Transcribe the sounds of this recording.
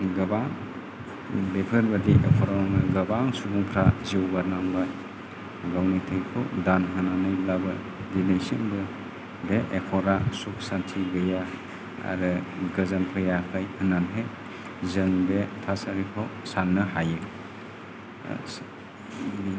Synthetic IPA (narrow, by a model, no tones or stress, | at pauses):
ɡɯbaŋ | bepʰɯɾbadiʔekʰɔɾaɔŋɡɐbaŋsubuŋpʰɾaziwbaɾnaŋbaj | ɡawnitʰɯjkʰɯ̰wdanɦɯnanɯjlabɯ | dinejsiŋbɯ | beʔekʰɔɾasuk̚santʰiɡɯja | a̰ɾɯɡɯzanpʰɯjakʰajhɯnanɦe | zɯŋbetʰasaɾikʰawsanːɯhajɯ | bi